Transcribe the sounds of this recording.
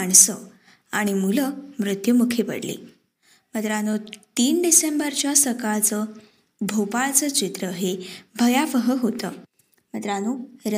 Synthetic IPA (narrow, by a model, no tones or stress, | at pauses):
aɳsə | aɽ̃imuləmɾut̪jumukʰepə̰ɽlḭ | mət̪ɾanut̪iːnɖisembəɾt͡ɕjasəkaɭt͡sə | bʱopaɭt͡sət͡ɕit̪ɾəɦebʱəjafəɦəɦot̪ə | mət̪ɾanuɾə